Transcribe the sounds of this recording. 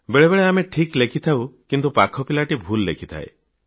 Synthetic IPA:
beɭebeɭeameʈʰiklekʰit̪ʰawkint̪upakʰɔpilaʈibʱulːḛkʰit̪ʰa̰ḛ

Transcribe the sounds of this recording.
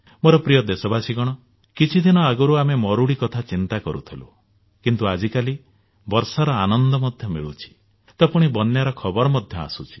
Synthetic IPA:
moɾɔpɾijɔd̪esɔbasiɡɔɽ̃ɔ | kit͡ʃʰid̪inɔaɡɔɾuamemɔɾuɽikɔt̪ʰat͡ʃint̪akɔɾṵt̪ʰilṵ | kint̪uad͡ʒikali | bɔɾsaɾɔanɔnd̪ɔmɔd̪ʱjɔmḭɭut͡ʃʰi̥ | t̪ɔpuɽ̃ibɔnjaɾɔkʰɔbɔɾɔmɔd̪ʱjɔa̰sut͡ʃʰi̥

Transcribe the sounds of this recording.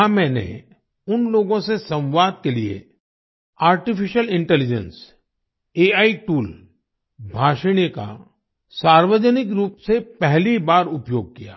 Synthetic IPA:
amɛ̃ːnḛ | ʊnloːɡõsesɐ̃wwaːd̪̚keliḛ | aːɾʈɪfɪʃəlɪ̃ɳʈɛlɪd͡ʒə̰̃ns | eːaːiʈuːl | bʱaːʃəɽ̃jəka̰ | saːɾwəd͡ʒənɪkɾuːpsepɛɦlibaːɾʊpjoːɡ̚kija̰ː

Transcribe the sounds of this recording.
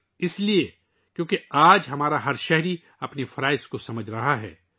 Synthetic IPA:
ɪslie | kjõːkeaːd͡ʒɦɐmaːɾaɦɐɾʃɛɦɾi | ɐpnefɐɾaːɪskosɐməd͡ʒʱɾɐɦaɦɛ̰ː

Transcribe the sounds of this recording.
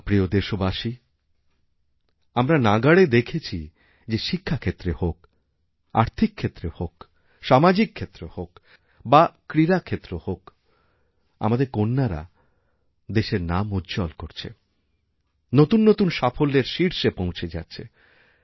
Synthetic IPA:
pɾiod̪eʃobaʃi | amɾanaɡaɽed̪ekʰet͡ɕʰi | d͡ʑeʃikʰːakʰet̪ːɾehok̚ | a̰ɾt̪ʰikʰːet̪ːɾehok | ʃamad͡ʑikʰːet̪ːɾehok | bakɾiɾakʰet̪ːɾohok | a̰mad̪eɾkonːaɾa̰ | d̪eʃeɾnamudd͡ʑɔlkoɾt͡ɕʰḛ | not̪unːot̪unʃafolːeɾʃiɾʃepõw̃t͡ɕʰed͡ʑa̰tːɕʰḛ

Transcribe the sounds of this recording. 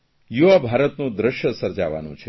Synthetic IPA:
juʋabʱaɾət̪nũd̪ɾəʃjəsəɾd͡ʒaʋa̰nṵ̃t͡ʃʰe

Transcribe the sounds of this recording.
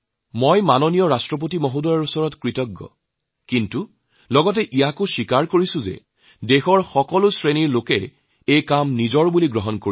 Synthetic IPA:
mojmanonijɔɹastɹɔp̬otimɔɦudɔɹɔɹusɔɹɔtkɹitɔɡːɔ̰ | kintu | lɔɡɔt̬ɛʔijakʊʃikaɹkoɹisʊ̃zɛ̰ | dexɔɹxɔkɔlʊsɹeniɹlokɛ | ejkamnizɔɹbuliɡɹɔɦɔnkoɹi

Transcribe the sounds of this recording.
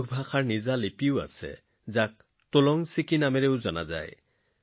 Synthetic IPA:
ɡʰbʱaxaɹnizalepiʊa̰sɛ̰ | zak̚ | tolɔŋsikinameɹeʊzɔna̰za̰j

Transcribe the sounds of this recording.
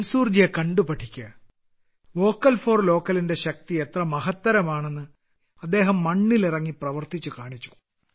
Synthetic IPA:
lsuːrd͡ʑijɐkɐɳɖupɐʈʰːikʲːuɐ | ʋo̞ːkːɐlfo̞ːrlo̞ːkːɐlinde̞ɕɐk̚t̪iet̪rɐmɐɦɐt̪ːɐɾɐmaːɳe̞nːɨ | ɐd̪ːe̞ːɦɐmːɐɳːilirɐŋːiprɐʋɐrt̪it͡ɕːukaːɳit͡ɕːu̥

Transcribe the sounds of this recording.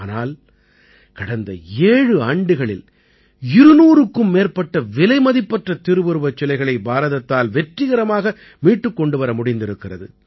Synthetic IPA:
naːl | kɐɽɐnd̪ɐ̰eːɻɯaːɳɖɯɣɐɭɪ̰l | ɪɾɯnuːɾɯkːɯmːeːrpːɐʈːɐʋɪlɐɪmɐðɪpːɐʈrɐt̪ɪɾɯʋɯɾɯʋɐt͡ʃːɔlɐɪɣɐɭɐɪbaːɾɐðɐt̪ːaːlʋɛʈrɪɣɐɾɐmaːɣɐ | miːʈːɯkːɔɳɖɯʋɐɾɐmʊɽɪnd̪ɪɾɯkːɪrɐðɯ̰

